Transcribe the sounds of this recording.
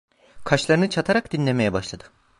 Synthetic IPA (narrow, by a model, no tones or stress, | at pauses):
kʰat͡ʃlˠaɾɯnɯt͡ʃʰat̪ʰaɾakd̪inlʲe̞me̞jɛbaʃlˠad̪ɯ̥